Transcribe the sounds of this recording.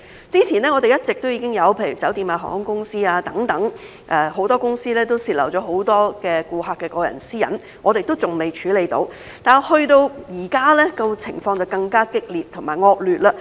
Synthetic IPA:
t͡siː˥t͡sʰi˨˩nɛː˥ŋɔ˨˧t̪e˨jɐ˥t̚t͡sɪ˨k̚t̪o˥wjiː˧˥ɪ˥ŋjɐ˨˧wpʰe˧jy̰ː˨˩t͡sɐ˨˥wt̪iː˧maː˧˩ɦɔ̰˨ŋː˨˥ŋkʊ˥ŋsiː˥aː˧t̪ɐ˨˥ŋt̪ɐ˨˥ŋ | ʔɛː˧ɦo˨˧˥wt̪ɔː˥kʊ˥ŋsiː˥lɛː˥t̪o˥wsiː˧t̚lɐ̰˨˩wt͡ʃɔː˨˥ɦo˨˥wt̪ɔː˥kɛː˧kuː˧ɦaː˧kːɛː˧kɔː˧jɐ̰˨˩nsiː˥jɐ̰˨˩n | ŋɔː˨˧t̪e˨jt̪o˥wt͡sʊ˨˩ŋme˨jt͡ʃʰyː˨˥le˨jt̪o̰˧w | t̪aː˨nhɵ˧ɥt̪o˧wjiː˨˩kaː˥lɛː˥kɐ˧wt͡sʰɪ˨˩ŋfɔː˧ŋt͡sɐ˨wkɐ˧ŋkaː˥kɪ˥k̚liː˨tt̪ʰʊ˨˩maː˨˩ŋɔː˧k̚lyː˨t̚la˧

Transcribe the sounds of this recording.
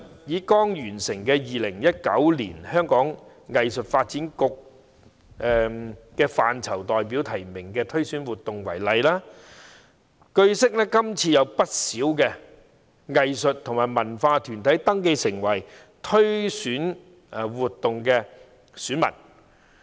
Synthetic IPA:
jiː˨˥kɔː˥ŋjyː˨˩nsɪ˨˩ŋkɛː˧jiː˨lɪ˨˩ŋjɐ˥t̚kɐ˨˥wlḭː˨˩nhœː˥ŋkɔː˨˥ŋ | ŋɐ˨jsɵ˨t̚faː˧t̚t͡siː˨˥nkʊ˧k̚ | ʔɛ˨˧kɛː˧faː˨nt͡sʰɐ˨˩wt̪ɔː˨jp̬iː˨˥wt̪ʰɐ˨˩jmɪ˨˩ŋkɛː˧t̪ʰɵ˥ɥsyː˨˥nwuː˨t̪ːʊ˨ŋwɐ̰˨˩jlɐ˨jlaː˥ | kɵ˧ɥsɪ˥k̚lɛː˥kɐ˥mt͡sʰiː˧jɐ˨˧wpɐ˥t̚siː˨˥wkɛː˧ | ŋɐ˨jsɵ˨t̚t̪ʰʊ˨˩ŋmaː˨˩jmɐ˨˩nfaː˧t̪ʰyː˨˩nt̪ʰɐ˨˥jt̪ɐ˥ŋke˧jsɪ˨˩ŋwɐ˨˩j | t̪ʰɵ˥ɥsyː˨˥n˨ | wuː˨t̚t̪ːʊ˨ŋkɛː˧ | syː˨˥nmɐ̰˨˩n

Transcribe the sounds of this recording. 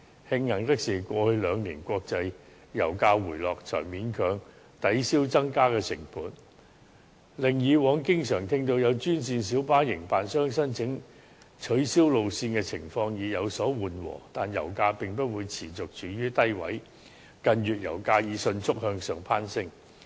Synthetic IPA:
hɪ˧ŋːɐ˨˩ŋt̪ɪ˥k̚siː˨˩kʷɔː˧hɵ˧ɥlœː˨˧ŋniː˨˩nkʷɔː˧k̚t͡sɐ˧j | jɐ̰˨˩wkaː˧wuː˨˩jlɔː˨k̚t͡sʰœ̰ː˨˩ŋmiː˨˥nkʰœː˨˥ŋ | t̪ɐ˨˥jsiː˥wt͡sɐ˥ŋkaː˥kɛː˧t͡sʰɪ˨˩ŋpuː˨˥n | lɪ˨ŋjiː˨˧wɔː˨˥ŋkɪ˥ŋsœː˨˩ŋt̪ʰɪ˥ŋt̪o˧wjɐ˨˧wt͡ʃyː˥nsiː˧nsiː˨˥wpaː˥jɪ˨˩ŋpaː˨nsœː˥ŋsɐː˥nt͡sʰɪ˨˥ŋ | t͡ʃʰɵ˨˥ɥsiː˥wlo˨˧wsiː˧nkɛː˧t͡sʰɪ̰˨˩ŋfɔː˧ŋjiː˨˧jɐ˨˧wsɔː˨˥wuː˨nwɔ̰ː˨˩t̪aː˨njɐ̰˨˩wkaː˧pɪ˨ŋpɐ˥t̚wuː˨˧jt͡sʰiː˨˩t͡sʊ˨k̚t͡ʃʰyː˨˥jyː˥t̪ɐ˥jwɐ̰˨˥j | kɐ˧njyː˨t̚jɐ̰˨˩wkaː˧jiː˨˧sɵ˧nt͡sʰʊ˥k̚hœː˧ŋsœː˨ŋpʰaː˥nsɪ˥ŋ

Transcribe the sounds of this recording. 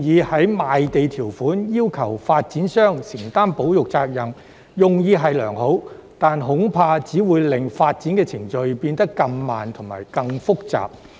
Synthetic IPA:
jiː˧hɐ˨˥jmaː˨jt̪e˨jt̪ʰiː˨˩wfuː˨˥njiː˥wkʰɐ˨˩wfaː˧t̚t͡siː˨˥nsœː˥ŋsɪ˨˩ŋt̪aː˥npo˨˥wjʊ˨k̚t͡saː˧k̚jɐ˨ŋ | jʊ˨ŋjiː˧ɦɐ˨jlœː˨˩ŋho˨˥wt̪aː˨nɦʊ˨˥ŋpʰaː˧t͡siː˨˥wuː˨˧jlɪ˨˩ŋfaː˧t̚t͡siː˨˥nkɛː˧t͡sʰɪ˨˩ŋt͡ʃɵ˧ɥpiː˧nt̪ɐ˥kːɐ˧mmaː˨˩nt̪ʰʊ˨˩ŋma̰ː˨jkɐ˧ŋfʊ˥k̚t͡sa̰ː˨p̚

